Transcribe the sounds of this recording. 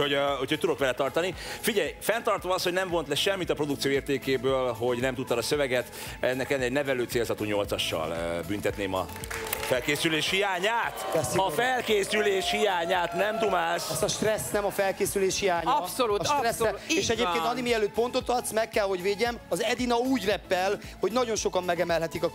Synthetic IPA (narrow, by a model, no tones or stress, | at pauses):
hoho̞cʰhoc̚ʲt̪ud̪o̞kʋɛlɛt̪ɒrt̪ɒnifiɟɛjfɛnt̪ɒrt̪omɒshonɛɱvo̞nt̪lɛʃɛmːit̪ɒpro̞d̪uk̚t̪sijoːeːrt̪eːkeːbøːlɦo̞ɟnɛmt̪ut̪ːɒd̪ɒsøvɛɡɛt̪ | ɛnːɛkɛnɛɟnɛvɛløːt̪seːlzɒt̪uːɲo̞lt̪sɒʃːɒ̰lbynt̪ɛt̪neːmɒ̰ | fɛlkeːsyleːʃhijaːɲaːt̪ɛsɒfɛlkeːsyleːʃhijaːɲaːt̪nɛmd̪umaːʃɛst̪ɒʃt̪rɛsːnɛmɒfɛlkeːsyleːʃhijaːɲsolut̪ʃt̪rɛsɛeːʃɛɟeːppenɒnimiɛløːt̪̚po̞nt̪o̞t̪ɒt̪smɛkːɛlho̞ɟveːɟɛmɒzɛd̪inɒuːɟrɛpːɛl | ho̞ɟnɒɟo̞nʃo̞kɒmːɛɡɛmɛlɦɛt̪ikɒ